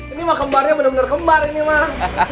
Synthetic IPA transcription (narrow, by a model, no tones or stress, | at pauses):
inimahkəmbarɲabənərbənərkəmbarinima